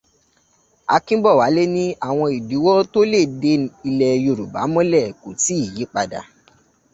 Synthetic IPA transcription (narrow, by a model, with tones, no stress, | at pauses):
a̰˧kĩ˦bɔ˦˨wa˨˦le˦nĩ˦a˦˨w̃ɔ̃˧i˨di˨˦wɔ˦to˦le˦˨de˧i˧lɛ˧jo˧˨ɾu˨ba̰˨˦mɔ̃˦lɛ˦˨ko˨ti˨˦i˦˨je˨˦k͡pa˧da̰˨